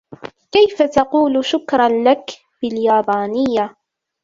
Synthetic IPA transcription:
kajfat̪ɑquːlʃʊkɾˤɑnlak | bɪljaːbaːnɪjːa

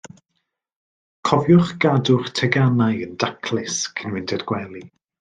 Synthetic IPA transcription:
kʰɔvjʊχɡ̥adʊχtʰɛɡanajəndakʰlˠɪskʰənwɪntʰɛdɡ̥wɛlˠi

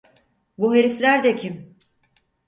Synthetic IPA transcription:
buɦe̞ɾiflʲæɾd̪ɛcʰim

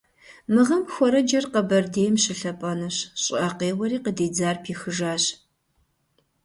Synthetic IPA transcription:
mɨʁɐmxʷɔɾɐd͡ʒɐrqɐbɐrdeːjmɕɪɬɐpʼɐnɐɕɕʼɪʔɐqeːwɐɾiːqədeːd͡zaːrpʰiːxɨʒaːɕ

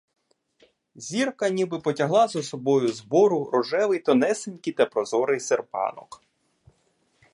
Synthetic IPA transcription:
zʲirkɐnʲibɪpɔtʲɐɦlˠɑzɔsɔbɔjʊzbɔɾʊɾɔʒɛʋɪjt̪ɔnɛsenʲkɪjt̪ɐpɾɔzɔɾɪjserpɑ̰nɔ̰k

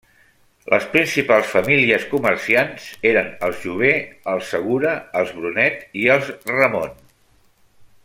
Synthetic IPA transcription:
lʔə̰spɾinsipalˠsfəmiliəskuməɾsianz̥eɾənəlˠzʒuβ̞eəlˠsəɣ̞uɾəːlˠzβɾunɛt̪iəlˠzrəmon

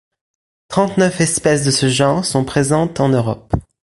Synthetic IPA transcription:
t̪χɑ̃t̪nœfɛspɛsd̪əsəʒɑ̃ʁsɔ̃pχezɑ̃t̪ɑ̃nøʁɔ̰p

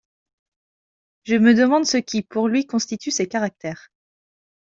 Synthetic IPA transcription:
ʒəməd̪əmɑ̃d̪səkʲʰipuʁlɥikɔ̃st̪it̪ʰysekaʁak̚t̪ɛːʁ

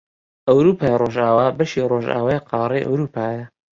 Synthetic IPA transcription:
ʔɐwɾupʰaːjroʒaːwaːbɐʃiroʒa̰ːwajqʰɑːɾˤejʔa̰wɾuːpʰaːjɐ

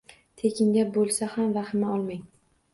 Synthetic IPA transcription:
t̪ʰekʲʰɪŋɡʲabolˠsahamvahɪmaɒlˠmaŋ

